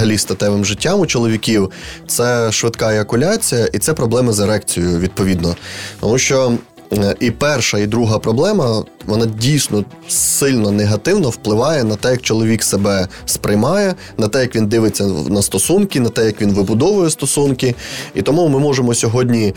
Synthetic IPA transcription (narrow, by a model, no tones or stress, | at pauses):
ɦɐlʲist̪ɐt̪ɛʋɪmʒɪtʲːɑmʊt͡ʃɔlˠɔʋʲikʲiwt̪sɛʃʋɪd̪kɑɛɐkʊlʲat͡sʲijɐʔit̪sɛpɾɔblˠɛmɐzeɾɛkt͡sʲijʊʋʲid̪̚pɔʋʲid̪nɔt̪ɔ̰muʃt͡ʃɔ | ipɛrʃɐid̪ɾuɦɐpɾɔblˠɛmɐʋɔnɑdʲijsʲnɔ | sɪlʲnɔneɦɐt̪ɪwnɔwplˠɪʋɑjɛnɐt̪ɛjɐk̚t͡ʃɔlˠɔʋʲiksebɛ | spɾɪjmɑjɛ | nɐt̪ɛjɐkʋʲind̪ɪʋɪt͡sʲːɐnɐst̪ɔsunkʲinɐt̪ɛjɐkʋʲinʋɪbʊd̪ɔʋʊjɛst̪ɔsunkɪḭt̪ɔmumɪmɔʒemɔsʲɔɦɔdʲnʲi